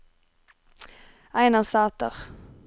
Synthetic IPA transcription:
æɪnɑsɑːt̪ə̰ʁ

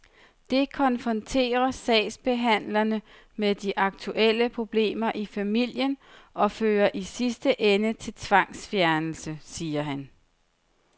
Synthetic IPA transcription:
d̥e̝kʰɒ̽nfʁɒ̽nt͡sʰe̝̰ːɐsɛ̰ːɪsb̥e̝ɦæn̰lɐnə | meðˠd̥iʔɑ̈ɡ̥̚t͡sʰuʔel̰əpʰʁo̝b̥le̝̰ːmɐʔifæmil̰jənʔɒ̽føːɐʔisisd̥əʔenət͡sʰe̝lt͡sʰʋɑ̈ŋ̰sfjæɐnl̩səsiːɐɦæn

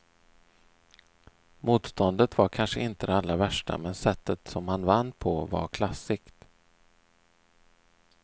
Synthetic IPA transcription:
muːt̪st̪ɔnd̪ət̪vaɾkʰanʂəɪnt̪əd̪ɛalːavæʂʈa̰mɛnsɛt̪ʰːət̪sɔmhanvanːpʰɔva̰ɾkʰlasːɪkt̪

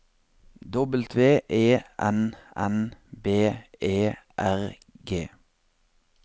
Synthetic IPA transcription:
d̪ɔbəl̩t̪ʰʋeːʔeːʔɛnɛ̰nbeːeːʔæʁ | ɡeː

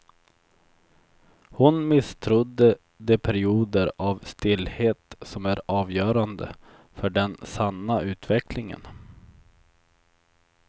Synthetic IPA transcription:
hʊnmɪst̪ʰɾʊd̪ːə | d̪ɛpʰæɾɪuːd̪əɾavst̪ɪlːheːt̪sɔmæɾɑːvjœːɾand̪ə̰ | fœɖɛnsanːaʉ̟ːt̪vɛklɪŋə̰n

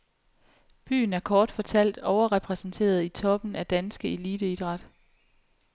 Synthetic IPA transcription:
b̥y̰ːn̩æɐkʰɒːd̥fɒ̽t͡sʰæl̰d̥ɒʊɐʁɛpʰʁɛsn̩t͡sʰe̝̰ːɐð̞̩ˠit͡sʰɒ̽b̥n̩æd̥ænsɡ̥əe̝liːd̥əid̥ʁɑ̈d̥

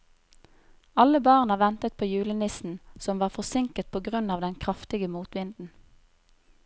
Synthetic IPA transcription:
ɑləbɑːʁnəʋɛnt̪ət̪̚pʰoːjʉːlənɪsn̩sɔmʋɑːʁfɔsɪŋkət̪̚pʰoːɡʁʉnɑːʋd̪ɛnkʰʁɑft̪ɪɡəmuːt̪ʋɪnd̪n̩

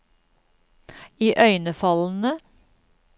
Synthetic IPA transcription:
iːʔœʏnəfɑln̩ə

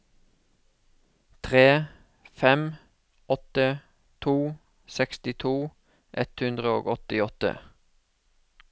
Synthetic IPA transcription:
t̪ʰʁeː | fɛm | ɔt̪ə | t̪ʰuː | sɛkst̪ɪt̪ʰuː | ʔɛt̪hʉnd̪ʁəoːɡɔt̪ɪɔt̪ə̰

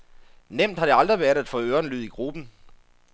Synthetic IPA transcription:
nem̰d̥hɑ̈ɾ̥e̝ɑ̈ld̥ʁiʋæɐɾ̥æd̥fɔːøːɐnlyð̞̰ˠiɡ̥ʁub̥n̩

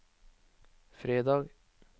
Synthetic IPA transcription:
fɾeːd̪ɑːɡ

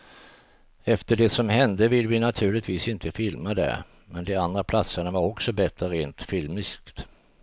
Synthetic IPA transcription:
ɛft̪əɖɛsɔmɦɛnd̪əvɪlːvɪnat̪ʰʉ̟ːɭɪt̪viːsɪnt̪ʰəfɪlmad̪ɛ̰ | mɛnd̪ɛand̪ɾapʰlat̪səɳavaɾɔksɔbɛt̪ɾəɾeːnt̪fɪlmɪskt̪

